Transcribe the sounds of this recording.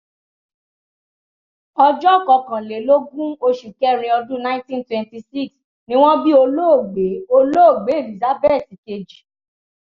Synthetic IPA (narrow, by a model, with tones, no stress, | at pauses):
ɔ˧d͡ʒɔ˦˨kɔ˧kã˨le˨˦lo˦ɡũ˦o˧ʃu˨kɛ˦ɾ̃ĩ˧ɔ˧dũ˦nã˦ĩ˦tĩ˦ntwɛ̃˨˧nti˧si˦˨ks | nĩ˦w̃ɔ̃˦bi˦o˧lo˦o˦˨ɡ͡be˨˦o˧lo˦o˦˨ɡ͡be˨˦˨vi˨za˨˦bɛ˦˨si˨ke˧d͡ʒi˨